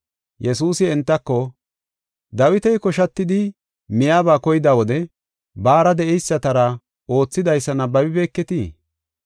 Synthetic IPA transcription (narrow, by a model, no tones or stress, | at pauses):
jɛsuːsɪɛnt̪ːɐkːɔ | d̪ɐwɪt̪ɛjkɔʃɐt̪ːɪd̪ɪ | mɪjaːbaːkɔjɪd̪aːwɔd̪ɛ | baːɾɐd̪ɛʔɛjsːɐt̪ɐɾɐ | o̞ːt͡sːɪd̪ɐjsːɐnɐbɐbɪbeːkːɛt̪iː